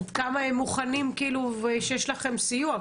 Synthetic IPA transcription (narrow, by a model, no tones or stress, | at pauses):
d̪kamaemːuχanimkiilueʃejeʃlaχe̞msijua